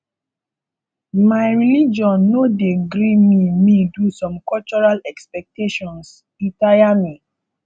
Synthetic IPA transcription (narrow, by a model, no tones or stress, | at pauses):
maɪɹilid͡ʒɔ̃nːodeɡɾimimĩdusɔ̃mkɔlt͡ʃɔɹalɛkspɛk̚teʃɔ̃ns | ĩtajami